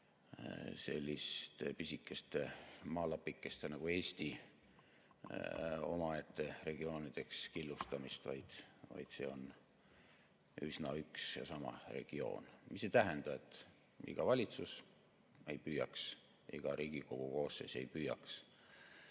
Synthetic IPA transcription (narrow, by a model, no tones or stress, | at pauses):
se̞lʲːist̪episikˑːe̞st̪e̞mɑːlɑpːikːˑe̞st̪enɑɡ̥ue̞ːsʲt̪i | o̞̰mɑet̪ːˑe̞re̞ɡ̥io̞ːnid̪̥e̞kskilːust̪ɑmist̪vɑjd̪̥vɑ̰jd̪̥se̞ːo̞n | ysnɑyksjɑ̰sɑmɑ̰re̞̰ɡ̥io̞̰ːnmisːet̪æɦɛnd̪̥ɑe̞t̪ːˑ | ḭɡ̥ɑvɑlʲit̪sus | e̞jpyːjɑks | ʔḛɡ̥ɑɾiːɡ̥iko̞ɡ̥uko̞ːsːe̞ːse̞jpyːjɑks